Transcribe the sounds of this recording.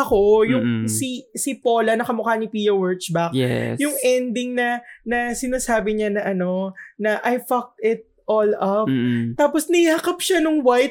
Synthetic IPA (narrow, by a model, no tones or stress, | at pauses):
ɐko̞jʊŋsisɪpo̞ːlɐnɐkɐmʊkaːnipijɐwɛɹt͡ʃbɐkɛ̰jʊŋɛnd̪ɪŋnɐnɐsɪnaːsaːbɪɲanɐʔɐno̞nɐʔɐjfɐk̚t̪ɪt̪̚ | ʔolɐp̚t̪ːaːposnɐhiaːkɐp̚ʃanʊŋwajt̪̚